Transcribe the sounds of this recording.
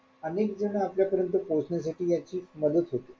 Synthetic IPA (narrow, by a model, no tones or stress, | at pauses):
ənek̚d͡zəɽ̃aapljapəɾjənt̪uposɳjas̬aʈʰiːjat͡ɕiːməd̪ət̪ɦot̪i